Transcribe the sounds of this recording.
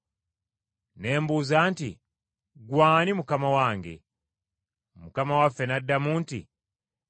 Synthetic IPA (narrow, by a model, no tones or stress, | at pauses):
ne̞ːmbuːzaːntḭ | ɡwaːnimukamawaːŋɡe̞̰ | mukamawafːe̞nadːamuːntḭ